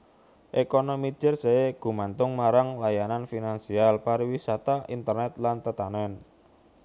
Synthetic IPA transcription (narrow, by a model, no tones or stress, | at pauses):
ʔekɔnomi̥d͡ʒ̥ərseeɡ̥ṳmant̪ʊŋmaɾaŋlajananfinansialpaɾiwisat̪aʔint̪ərnɛt̪lant̪ət̪anɛn